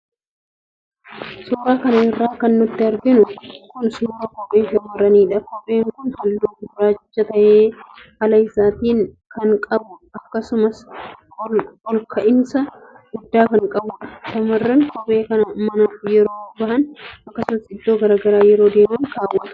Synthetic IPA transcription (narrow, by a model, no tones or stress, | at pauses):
suːɾaːkɐnɐɪrːaːkɐnːʊt̪ːɪɐɾɡɪnʊkʊnsuːɾɐkʼɔpʼːeːʃɐmɐrːɐniːᶑɐkɔpʼːe̞ːŋkʊnhɐlːuːkɪbɾaːt͡ʃːɐt̪ɐʔeːhɐlɐɪsaːt̪iːŋ | kɐŋkʼɐbʊɐkːɐsʊmɐs | ɔlkʰɐʔɪnsɐ | ɡʊd̪ːaːkɐŋkʼɐbʊᶑɐʃɐmɐrːɐŋkʰɔpʼe̞ːkɐnɐmɐnaːfjɛɾoːbɐhɐnɐkːɐsʊmɐsɪd̪ːo̞ːɡɐɾaːɡɐɾaːjɛɾo̞ːd̪e̞ːmɐnkaːwɐt̪ʊ̥